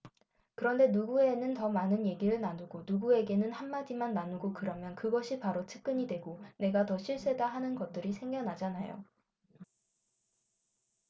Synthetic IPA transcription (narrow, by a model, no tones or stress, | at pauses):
kɯɾʌnde̞nuɡue̞nɯntʌmanɯnje̞ɡiɾɯɭnanuɡonuɡue̞ɡe̞nɯnhanːad͡ʑimanːanuɡokɯɾʌmjʌnkɯɡʌɕʰipaɾot͡ɕʰɯ̥k̚k͈ɯɲidwe̞ɡone̞ɡatʌɕʰiɭs͈e̞daɦanɯnɡʌt̚t͈ɯɾisʰe̞ŋɡjʌnad͡ʑanajo̰